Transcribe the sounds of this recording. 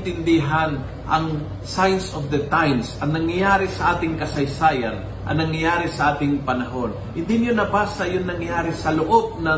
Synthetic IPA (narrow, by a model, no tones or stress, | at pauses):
t̪ɪnd̪ɪɦan | ʔɐŋ | sajnsofd̪ɐt̪ajmsʔɐŋnɐŋjɐjaːɾɪsɐʔaːt̪ɪŋkɐsɐjsaːjɐ̰n | ʔɐ̰nɐŋjɐjaːɾɪsɐʔaːt̪ɪŋpɐnɐɦo̞nhɪnd̪ɪnjonɐbasɐjonnɐŋjaːɾɪsɐlʊʔob̚nɐ